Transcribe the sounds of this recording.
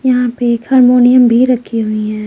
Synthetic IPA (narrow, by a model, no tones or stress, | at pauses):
jɐɦãpekhɐɾmoːnijəmbʱiɾɐkʰːiɦʊiɦɛ̃ː